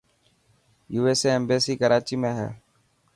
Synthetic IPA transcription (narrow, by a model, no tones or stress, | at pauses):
juːeːseːeːmbeːsiːkəɾaːt͡ʃiːmẽːɦɛ̰ː